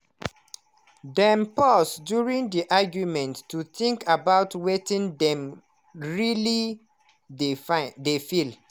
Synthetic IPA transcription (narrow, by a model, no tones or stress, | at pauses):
dɛ̃mpɔsdjuɹĩndiʔaɡjumɛ̃ntːuθĩŋkʰabaʊtwetĩndɛ̃m | ɹili | dfdefil